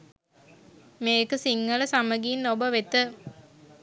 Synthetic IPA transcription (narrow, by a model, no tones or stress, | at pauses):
meːkəsiŋːələsaməɡiːnːobəʋet̪ə